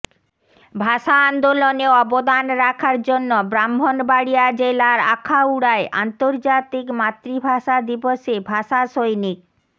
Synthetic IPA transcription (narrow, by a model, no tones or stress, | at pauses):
bʱaʃaand̪oloneɔbod̪anɾakʰaɾd͡ʑonːobɾambʱonbaɽiad͡ʑelaɾakʰauɽaeʔa̰nt̪oɾd͡ʑat̪ikmat̪ːɾibʱaʃad̪iboʃebʱaʃaʃojnik̚